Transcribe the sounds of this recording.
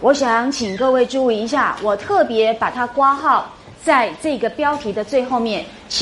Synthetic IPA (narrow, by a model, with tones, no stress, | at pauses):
wɔ˨˧˥ɕjɑ˨˩ŋt͡ɕʰi˨˩ŋkɤ˥˧we˥˧ɪʈ͡ʂu˥˧u˧i˧˥ɕ̬ja˥˩wɔ˨˩t̪ʰɤ˥˩pjɛ˧˥pa˨˩t̪ʰa˦˥kwa˥xɑ˥˨˩ʊ | t͡sa˥˧ɪʈ͡ʂɤ˥˩i˧˥ɡə˨pjɑ˥ʊt̪ʰi˧˥d̪ə˨˧t͡swe˥˧ɪxo˥˧ʊmjɛ˥˨n | t͡ɕʰ